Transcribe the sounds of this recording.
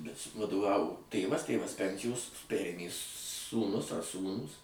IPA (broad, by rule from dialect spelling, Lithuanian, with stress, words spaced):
bʲɛt sʊ ʋɐdʊˈʋɑːʋoː ˈtʲeːʋɐs ˈtʲeːʋɐs ˈpʲɛnʲsʲɪjoːs ˈpʲæːrʲeːmʲeː suːˈnʊs ɐr ˈsuːnuːs